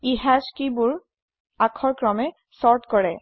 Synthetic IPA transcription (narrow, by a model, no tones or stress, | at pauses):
iɦaskibʊɹ | akʰɔɹkɹɔmɛ | sɔɹtkɔɹɛ